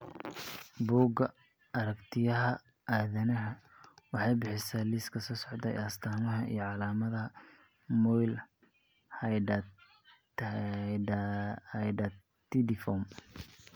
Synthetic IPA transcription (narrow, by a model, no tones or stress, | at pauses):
buːɡɐ | ɐɾɐkt̪ʰɪjɐɦɐ | ʔaːðɐnɐɦɐ | wɑħɑjbɪħɪsaːliːskʰɐsɔːsɔʕd̪ɐʔɐst̪ʰaːmɐɦɐḭjɞʕɑlaːmɐðɐ | mɔjl | h | hjɖɐ | t̪ʰidɪfɔm